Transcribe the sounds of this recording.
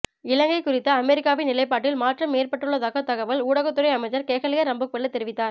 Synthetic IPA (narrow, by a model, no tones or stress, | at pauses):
ɪlɐŋɡɐɪkːʊrɪt̪ːɐɐmɛɾɪkːaːʋɪnɪlɐɪpːaːʈːɪlmaːʈrɐmːeːɾpɐʈːɯɭːɐðaːɣɐt̪ɐɣɐʋɐluːɽɐɣɐt̪ːɯrɐɪɐmɐɪt͡ʃːɐɾkeːɣɐɭɪɣɐɾɐmbɯkʋɐɭːɐt̪ːɛɾɪʋɪt̪ːaːɾ